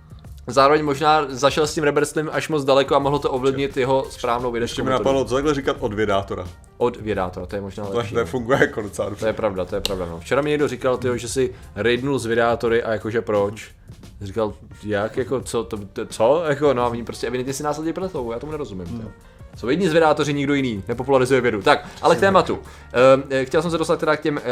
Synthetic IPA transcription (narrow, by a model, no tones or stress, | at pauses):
zaːɾovɛɲmo̞ʒnaːzaʃɛlscimɾɛbɛɾst̪lɪmʔaʃmod͡zdalɛkoamoɦlot̪oʔovlɪvɲɪt̪jɛɦo̞spɾaːvnowvjɛdɛɛʃɛmɪnapadlot͡sot̪aɡlɛrikat̪ʔodvɪɛdaːt̪oɾa̰ | ʔodvjɛda̰ːt̪oɾat̪ojɛmoʒnaːlɛʃioɛfuŋɡujɛkodot͡sadt̪ojɛpɾavdat̪ojɛpɾavdanoft͡ʃɛɾamɪɲɛɡdorɪkalt̪ɪɦoʒɛsɪɾɪdnulzvɪdɛaːt̪o̞ɾɪʔajakoʒɛpɾo̞t͡ʃ | rikaljakjako̞t͡sot̪obɪt̪t͡sojakonoaviimpɾoscʲɛɛvɪdɛnt̪ɲɛsɪnaːslɛdɲɛpɾɛslowbojaːt̪omunɛɾozumɪmt̪ɪɦ | sowjɛdɲiːzvɪdaːt̪o̞ɾɪɲɪɡdo̞jɪniːnɛpo̞pulaɾɪzujɛvjɛdut̪akalɛkt̪ɛːmat̪u | xcɛls̬ɛms̬ɛdost̪at̪̚t̪ɛɾak̚cɛm